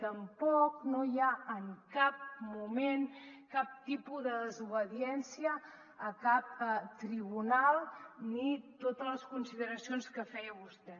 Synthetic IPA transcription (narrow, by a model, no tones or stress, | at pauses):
t̪əmpɔknojaəŋkap̚mumenkap̚t̪ipuðəðəzuβəðiɛnsiəː | kap̚t̪ɾiβunalˠnit̪ot̪ələskunsiðəɾəsionskəfɛjəβust̪ɛ